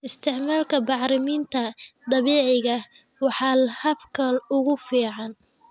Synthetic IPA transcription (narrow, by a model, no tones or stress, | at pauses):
ɪst̪ʰɪʕmaːlkʰɐbɑʕɾɪmiːnt̪ʰɐd̪ɑβiːʕɪɣɐ | wɑħɑːlhɐbkʰɐlʊɣʊfiːʕɑn